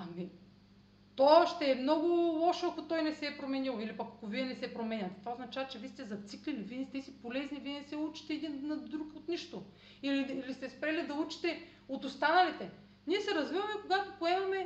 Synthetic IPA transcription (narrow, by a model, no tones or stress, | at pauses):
ɐmi | t̪oʃt̪ɛːmnɔɡʊlˠɔʃoakot̪ɔjnɛsɛːpɾomɛnilˠilipɐkɐkoviɛnɛsɛpɾomɛɲʲɐt̪ɛ̥t̪vaoznat͡ʃavɐt͡ʃɛviːst̪ɛzɐt̪siklilivinst̪ɛsipolɛzniviɛnɛsɛut͡ʃi̥t̪ɛːd̪inːɐd̪ɾukot̪niʃt̪o | iliːlist̪ɛspɾɛlid̪ɐut͡ʃi̥t̪ɛ | ot̪ost̪anɐlit̪ɛ | niɛsɛɾɐzvivɐmɛkoɡat̪opoɛmɐmɛ